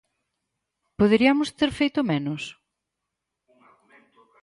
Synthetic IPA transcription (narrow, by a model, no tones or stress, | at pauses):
poðeɾiɐmʊst̪eɾfejt̪ʊmenʊs